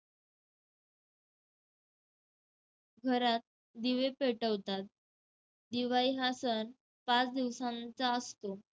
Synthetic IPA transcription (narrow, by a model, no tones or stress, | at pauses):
ɡʱəɾat̪̚ | d̪iʋepeʈəʋt̪at̪̚ | d̪iʋaiɦasən | pat͡sd̪iʋsãnt͡saəst̪o